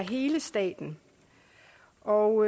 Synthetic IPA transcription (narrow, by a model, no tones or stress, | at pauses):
ɦe̝ːləsd̥ɛ̰ːd̥n̩ | ʔɒʊ